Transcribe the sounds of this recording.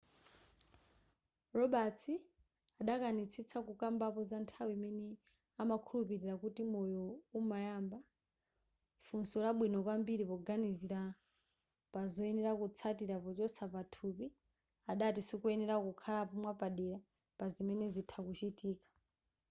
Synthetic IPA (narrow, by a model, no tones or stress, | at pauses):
rɔɓat͡sʰi | aɗakanit͡sʰit͡sʰakukambapɔzantʰawimɛnɛ | amakʰulupiɾiɾakutimɔjɔumajamba | funsɔlaɓwinɔkwambiɾipɔɡaniziɾa | pazɔɛnɛɾakut͡sʰatiɾapɔt͡ʃɔsapatʰupi | aɗatisikuɛnɛɾakukʰalapɔmwapaɗɛɾa | pazimɛnɛzitʰakut͡ʃitiːkḁ